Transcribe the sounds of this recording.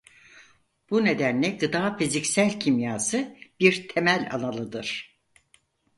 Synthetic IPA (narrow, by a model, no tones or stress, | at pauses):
b̥une̞d̪ænlʲɛɡɯd̪aːfizicsælʲcʰimjaːsɯb̥iɾt̪ʰemælʲa̰nalˠɯd̪ɯɾ̥